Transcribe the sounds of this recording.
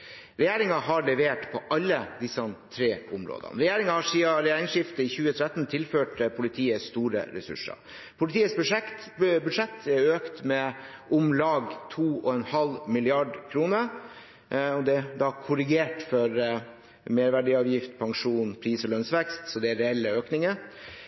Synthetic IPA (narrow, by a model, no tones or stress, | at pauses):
ɾɛjeːɾɪŋɑɦɑɾɭɛʋeːʈpʰɔʔɑlːəd̪ɪsːɑt̪ʰɾeːʊmɾo̰ːd̪ə̰nɾɛjeːɾɪŋɑhɑʂiːɑɾɛjeːɾɪŋʂɪft̪əɪçʉːət̪ʰɾɛt̪ːnt̪ʰɪlføːʈpʰʊlɪt̪ʰiːəst̪uːɾə̰ɾɛ̰sʉ̰ʂːɑ̰ | pʰʊlɪt̪ʰiːəsb | bʉd̪ʂɛt̪ʰːɛøːkt̪mɛʔʊmlɑːɡt̪ʰuːɔɛnhɑlmɪlɪɑɖkʰɾuːnəɾ | ɔd̪ɛd̪ɑkʰʊɾɪɡeːʈfɔɾ | meːɾʋæɖɪɑːʋjɪft̪̚pʰɑŋʂuːnpʰɾiːsɔlœnsʋɛkst̪sɔd̪ɛæɾɛɛlːəøːknɪŋə